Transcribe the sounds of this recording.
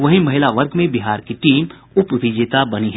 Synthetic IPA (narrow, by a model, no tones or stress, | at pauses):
ʋɐɦimɐɦɪlaʋəɾɡmẽbiɦaːɾkiʈiːm | ʊpʋɪd͡ʒet̪abɐniɦ